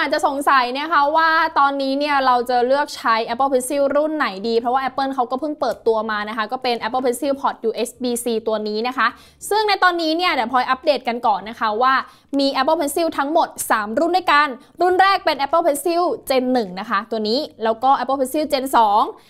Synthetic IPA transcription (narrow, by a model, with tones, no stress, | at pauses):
ʔaː˨˩t̪̚t͡ɕa˨ʔso˨˩˦ŋsa˨˩˦jna˦˥˩kʰa˦˥waː˥˩t̪ɔː˧nːiː˦˥ni˥˩ɐɾa˧wt͡ɕa˨˩lɯ˥˩ək̚t͡ɕʰa˦˥jʔɛ˦˥pːə˥˩pʰe˧˥nsi˥˩wɾu˥˩nːa˨˩˦jdiː˧pʰɾɔ˦˥waː˥˩ʔɛ˦˥pːɤː˥˩˨nkʰa˦˥wkɔː˥˩pʰɯ˥˩ŋpɤː˨˩t̪ːu˧ɐmaː˧na˦˥kʰa˦˥kɔː˥˩pe˧nʔɛ˦˥pːə˥˩pʰe˧nsiː˥˩wpʰɔ˨˩t̪̚juː˧ʔe˦˥sbiː˧siː˧t̪u˧ɐniː˦˥na˦˥kʰa˦˥ʔ | sɯ˥˩ŋna˧jt̪ɔː˧nːiː˦˥ni˥˩ɐdɛː˨˩pʰɔː˧jʔa˦˥p̚deː˨˩t̪̚ka˧nkɔː˨˩nːa˦˥kʰa˦˥waː˥˩ | miː˧ʔɛ˦˥pːə˥˩pʰe˧˥nsi˥˩wt̪ʰa˦˥ŋmo˨˩t̪̚saː˩˦mɾu˥˩ndu˥˩jka˧n | ɾu˥˩nɾɛː˥˩k̚pe˧nʔɛ˦˥pːə˥˩pʰe˧˥nsi˥˩wt͡ɕe˧nːɯ˨˩ŋna˦˥kʰa˦˥t̪u˧ɐniː˦˥lɛː˦˥wkɔː˥˩ʔɛ˦˥pːə˥˩pʰe˧nsiː˥˩wt͡ɕeː˧nsɔː˩˦ŋ